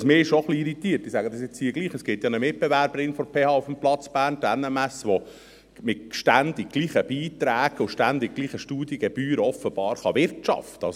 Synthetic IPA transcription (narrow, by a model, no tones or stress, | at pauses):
smɪːɪʃoχliːɾit̪iːtːɪsæːɡəd̪ɑsjɛt͡shiːəɡliːχəsɡ̥ɪtjɑːnəmɪt̚bɛvæɾbəɾɪnfɔɾpʰeːhɑːufəmplɑt͡sb̥æːrntænɛmæsʋo | mɪtʃtænd̪ɪɡ̚ɡ̥liːχəb̥iːt̪ɾæːɡ̥ʊʃtænd̪ɪɡ̚ɡliːχəʃtuːd̥jəɡɛb̥yːɾəɔfəb̥ɑːɾχɑʋɪɾtt͡ʃɑ̰ft̪əɑs